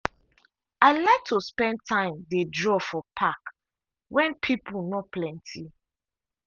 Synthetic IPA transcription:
aɪlaɪk̚tʰuspɛ̃ntʰãɪ̃mdedɹɔfɔpʰak | wɛ̃npʰipʰunɔplɛ̃ntʰi

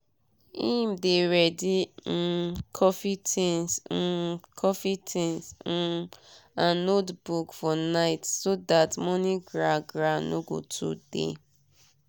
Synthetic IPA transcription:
ĩmdeɹɛdi | kʰɔfitʰɛ̃ns̩ | kʰɔfitʰɛ̃ns̩ | ãnotbukfɔnaɪtsodatmɔ̃niɡɹaɡɹano̰ɡo̰tʰṵd̥ḛ

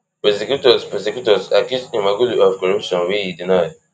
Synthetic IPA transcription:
pɛsekjutɔspɛsekjutɔsakusĩmaɡuliɔfkɔɹupʃɔ̃nwiidinajd

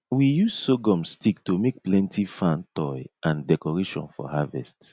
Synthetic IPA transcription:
wijuzsoɡɔ̃mstik̚tumek̚plɛ̃ntʰifãntɔjʔãndɛkɔɹeʃɔ̰̃nfɔ̰havɛ̰st

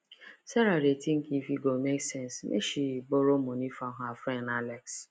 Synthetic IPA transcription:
sɛɾaɾetiŋ̩kifiɡomeksɛnsmʔḛʃiboɾomonifaɦafɾɛnalɛks

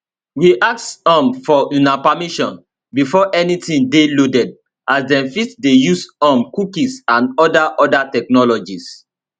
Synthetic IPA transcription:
wiʔak̚tɔ̃mfɔũnapamiʃɔ̃n | bifɔʔɛnitĩndelodɛd̚ | ʔasdɛ̃mfitdejusɔ̃mkukisãnɔdaʔɔdatɛknɔlɔd͡ʒis

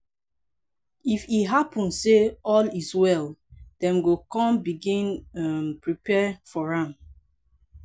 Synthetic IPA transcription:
ifitɦapʰɔ̃nsseɔliswɛld̥ɛ̃mɡokɔ̃mbiɡĩnampɹipɛfɔɹãm

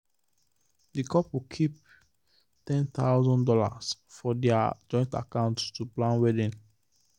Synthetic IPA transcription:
dikʰɔpwikʰip̚ | tɛ̃nt̪aʊzɔ̃ndɔla̰sfɔdɛad͡ʒɔ̃ɪ̃nta̰kãʊ̃nttuplãnwɛdĩn

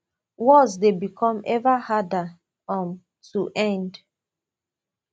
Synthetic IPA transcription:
wɔsdebikʰɔ̃mɛvahada | ɔ̃n | tuʔɛ̃nd

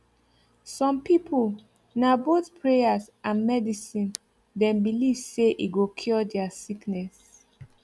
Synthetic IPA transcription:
sɔ̃mpipʰul | naboθpʰɹejasʔãnmɛdisĩn | dɛ̃mbilivseʔiɡokʰɔdɛasiknɛs

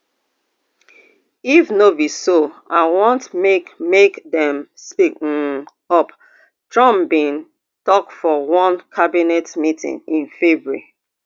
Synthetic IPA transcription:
ifnobisoaɪwɔ̃ntmekmekdɛ̃mspik | ʌp | tɹɔ̃mbĩn | tɔkfɔwɔ̃nkʰabinɛtmitḭ̃ŋĩnfɛbɹḭ

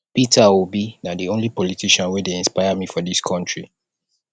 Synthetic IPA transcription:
pitʰawibinadiõnlipɔlitʰiʃãnwedeɪ̃nspaɪamifɔdiskʰɔ̃ntɹi

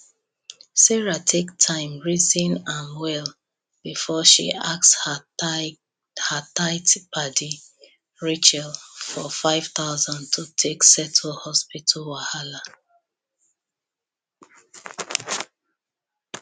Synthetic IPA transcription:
sɛɹatʰektʰãɪ̃mɹizĩnãnwɛl | b̥ifɔʃḭʔaks | hataɪtbadi | ɹet͡ʃɛlfɔfaɪv̥θaʊzɔ̃ntʰutʰeksɛtʰəlhɔspitʰalwahala

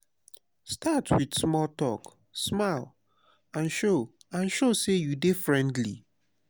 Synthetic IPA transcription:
stʰatʰwid̥smɔltɔk | smaɪl | ãnʃo | ãnʃosejudefɹɛ̃ndlḭ

